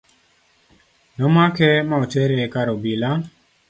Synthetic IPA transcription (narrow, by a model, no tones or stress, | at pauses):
nɔmakɛmaɔt͡ʃɛɾekaɾobila